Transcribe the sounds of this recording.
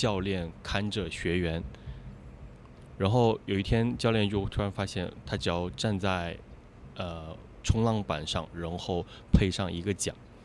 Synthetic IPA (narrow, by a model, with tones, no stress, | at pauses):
t͡ɕjɑ˥˧ʊljɛ˥˩nkʰa˥nʈ͡ʂə˨˩ɕɥɛ˧˥ɥɛ˧˥n | ɻa˧˥nxo˥˩ʊjo˨˩ʊi˥˩t̪ʰjɛ˥nt͡ɕjɑ˥˧ʊljɛ˥˧nt͡ɕjo˥˩ʊt̪ʰu˥ɻa˧˥nfa˥ɕjɛ˥˩nt̪ʰa˥t͡ɕɑ˥ʊʈ͡ʂa˥˧nt͡sa˥˩ɪ | ə˧ | ʈ͡ʂʰʊ˧˥ŋlɑ˥ŋpa̰˨˩nʂɑ̰˥˧ŋɻa˧˥nxo˥˩ʊ | pʰe˥˧ɪʂɑ˥˩ŋi˧˥ɡə˧t͡ɕjɑ̰˨˩˦ŋ